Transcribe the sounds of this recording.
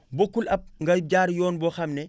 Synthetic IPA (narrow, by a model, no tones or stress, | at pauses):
bokːulɐp̚ŋɡɐj̚ɟaːɾjɔːnbɔxɐmnɛ